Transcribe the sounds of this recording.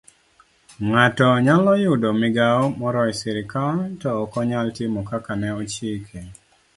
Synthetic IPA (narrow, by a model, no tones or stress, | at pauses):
ŋatɔɲalɔjʊdomɪɡaɔmɔɾɔjsɪɾɪkatɔːkɔɲaltimɔkakanɛɔt͡ʃikʰe